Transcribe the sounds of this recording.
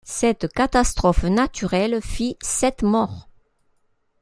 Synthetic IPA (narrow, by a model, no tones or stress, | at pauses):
sɛt̪kat̪ast̪χɔfnat̪yʁɛlfisɛt̪mɔʁ